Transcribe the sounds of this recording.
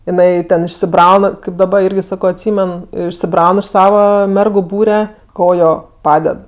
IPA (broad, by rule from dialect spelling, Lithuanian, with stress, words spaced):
jɪˈnɐɪ ˈtʲɛn ɪʃʲsʲɪˈbrɐʊn kɐɪp dɐˈbɐr ˈɪrʲɡʲɪ ˈsɑːkoː ɐtʲˈsʲiːmʲɛn ɪʃʲsʲɪˈbrɐʊn ɪʃ ˈsɑːʋɐ ˈmʲɛrɡʊ ˈbuːrʲɛ ˈkoːjoː ˈpɑːdʲɛt